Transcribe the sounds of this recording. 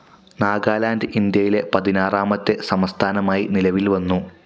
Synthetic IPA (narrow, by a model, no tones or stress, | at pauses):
naːɡaːlaːndɨʔind̪jɐjile̞pɐðinaːraːmɐt̪ːe̞sɐmɐst̪ʰaːnɐmaːjinilɐʋilʋɐnːu